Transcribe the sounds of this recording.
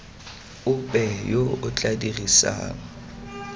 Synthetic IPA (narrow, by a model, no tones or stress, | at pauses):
ʊpʼɛjoʊt͡ɬʼadirisa̰ːŋ̩